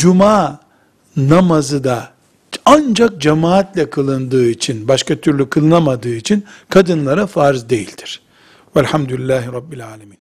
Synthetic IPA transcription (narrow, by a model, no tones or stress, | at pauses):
d͡ʒumaː | namazɯd̪a | and͡ʒak̚d͡ʒamaːat̪lʲɛkʰɯlˠɯnd̪ɯːit͡ʃʰinbaʃkat̪ʰyɾlʲykʰɯlˠɯnamad̪ɯːit͡ʃʰinkʰad̪ɯnlˠaɾafaɾzd̪e̞jilʲd̪̥i̥ɾ̥ | vɛlʲhamd̪ulʲilʲːæːɦiɾɑbːilʲaːlʲamiːn